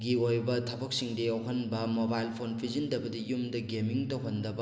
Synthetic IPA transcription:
ɡiojbɐtʰɐbɐk̚siŋdeɐwɦɐnbɐmobajlpʰonpʰizindɐbɐdɐjumdɐɡemiŋtɐwɦɐndɐbɐ

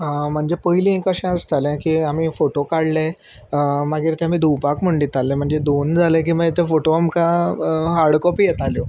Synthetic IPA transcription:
ɦãm̤əɳd͡zepəɦilĩẽkəɕãəst̪alɛ̃kiːamiːfoʈokaɽle | maɡiːɾt̪ɛ̃amiːd̪ʱupakm̤əɳɖit̪alːẽm̤əɳd͡zed̪ond͡zʱalẽk̬ĩʋaet̪ẽfoʈoamkãɦaɽkɔpiːjɛt̪aljo

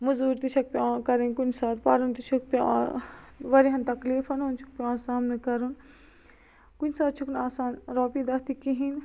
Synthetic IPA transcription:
muzuːɾt̪it͡ʃʰɐk̚pʲiãːkɐɾenkunsaːt̪pɐɾunt̪it͡ʃʰuk̚pʲḭ | ʋɐɾiɦɐnt̪ɐkliːfɐnont͡ʃʰu̥k̚pʲiãːnsaːmnɨkɐɾun | kunʲsaːt̪̚t͡ʃʰukʰnaːsaːnɾɔːpid̪ɐt̪ikiɦin

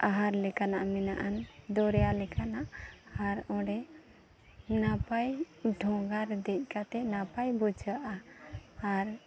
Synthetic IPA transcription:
aɦaɾlɛkanaʔmɛna̰ʔand̪ɔɾɛjalɛkʰanaʔaɾɔ̃ɽɛ | napaj | ɖʱɔ̃ɡaɾd̪ɛc̚ˀkat̪ɛnapajbud͡ʒaʔaː | ɾ

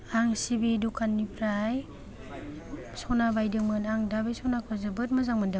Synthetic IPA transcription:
aŋsibidukʰanːipʰɾaj | sɔnabajdɯŋmɯnaŋdabejsɔnakʰazɯbɯt̚mazaŋmanda

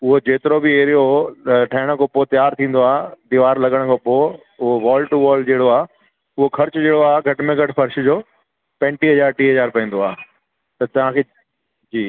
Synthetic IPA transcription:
ʊɦod͡ʑeːt̪ɪɾobɪeːɾijoʈʰɐːɪɽ̃kʰoːpoːt̪jaːɾt̪ʰĩːn̆d̪oaːɦd̪iːʋaːɾlɐɠəɽ̃kʰoːpoː | ʊɦoʋɔːlʈuʋɔːlɖd͡ʑeːɽoaː | ʊɦokʰɐɾt͡ɕd͡ʑeːɽoaːɦeɡʱɐʈɪmẽɡʱɐʈɪfɐɾʃ̆d͡ʑoː | pɛ̃ːɳʈiɦɐzaːɾʈiːɦɐzaːɾpɐ̃ĩːn̆d̪oaː | t̪ɐt̪ɐʋ̤ãkʰeː | d͡ʑiː

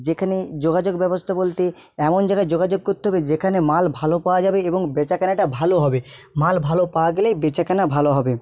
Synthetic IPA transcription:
d͡ʑekʰaned͡ʑoɡad͡ʑoɡbɛbost̪ʰabolt̪e | ɛmond͡ʑaɡad͡ʑoɡad͡ʑoɡ̚kot̪ːeɦɔbed͡ʑekʰanemalbʱalopaoad͡ʑabeeboŋbet͡ɕakanaʈabʱaloɦɔbemalbʱalopawaɡelejbet͡ɕakanabʱaloɦɔbe

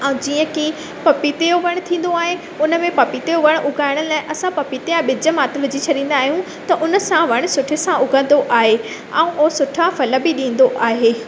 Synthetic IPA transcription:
ɛ̃d͡ʑiːə̃ki | pɐpit̪ejoʋɐɽ̃̆t̪ʰĩːn̆d̪oaːɦe | ʊnə̆mẽpɐpit̪ejoʋɐɽ̃ʔʊɡʱaːɪɽ̃əlaːɪʔɐsãpɐpit̪ejãɓɪd͡ʑə̆maːt̪lʊd͡ʑit͡ɕʰɐɗĩːn̆d̪aːɦijũ | t̪ɐʔʊnə̆sãʋɐɽ̃̆sʊʈʰɪsãʔʊɡʱə̃n̆d̪oʔaːɦe | ɛ̰̃ːũʔoɦsʊʈʰafɐləbɪɗĩːn̆d̪oʔaːɦeː

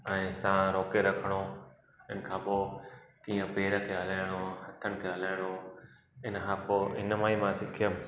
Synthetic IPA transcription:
ɛ̃ːsãɾoːkeɾɐkʰəɽ̃o | ɪnə̆kʰãːpoːkiːə̃peːɾəkʰeːɦɐlaːɪɽ̃ohɐt̪ʰəɽ̃̆kʰeːɦɐlaːɪɽ̃oː | ɪnəkʰãːpoːʔɪnəmãːĩmãsɪkʰijəm

